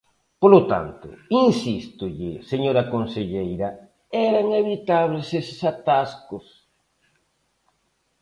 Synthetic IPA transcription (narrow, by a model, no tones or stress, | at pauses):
polot̪a̰nt̪ʊ̰insist̪ʊʎɪseɲoɾɐkonseʎejɾɐ | ɛɾaŋeβit̪aβlesessat̪askʊs